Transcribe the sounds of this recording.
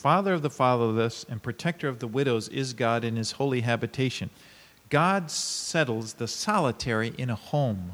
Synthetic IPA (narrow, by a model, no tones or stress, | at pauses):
fɑðə˞ʌvðəfɑðə˞ʌsɨ̃npʰɹ̥ɨtʰɛk̚tə˞ʌvðəwɪɾoʊzɪ̰zɡɑɾɨ̃nɨz̥hoʊlˠiɦæbɨtʰeɪʃɨ̃n | ɡ̥ɑdsɛɾl̩ˠzðəsɑlˠətʰɛɹiʔɨ̃ñəhõʊ̃m